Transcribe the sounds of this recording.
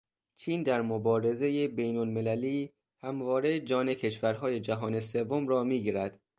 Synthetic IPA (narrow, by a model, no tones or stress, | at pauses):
t͡ʃʰiːnd̪æɾmobɒːɾe̞zejebejnolme̞læliː | hæmvɒːɾe̞d͡ʒɒːne̞cʰe̞ʃvæɾɦɒːje̞d͡ʒæɦɒːne̞se̞vːomɾɒːmiːɡiːɾæd̪̥